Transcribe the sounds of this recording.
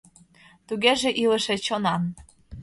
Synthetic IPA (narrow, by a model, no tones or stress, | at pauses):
t̪uɣeʒĕʔilə̆ʃĕt͡ɕonɑn